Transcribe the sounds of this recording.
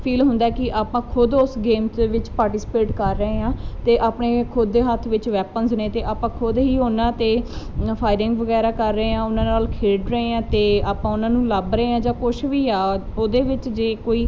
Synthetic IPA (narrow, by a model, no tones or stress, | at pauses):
pʰiːlɦʊnd̪aːɛːkɪʔaːpãːkʰʊd̪ʊsɡeːmt̪ʋɪt͡ʃpaːɾʈɪːspeːʈkəɾːəeːãːt̪eːʔaːpneːkʰʊd̪eːɦət̪ʰːʋɪt͡ʃʋɛːpənsnẽːt̪eːʔaːpãːkʰʊd̪ɦiːɦoːnãːt̪eːpʰaːɪɾɪ̃ŋɡʋəɡɛːɾaːkəɾːəẽːãːʊnãːnaːlkʰeːɖɾəẽːãːt̪eːaːpãːʊnãːnũːləbɾəeːãːd͡ʒãːkʊʃʋiːaːoːd̪eːʋɪt͡ʃd͡ʒeːkoːiː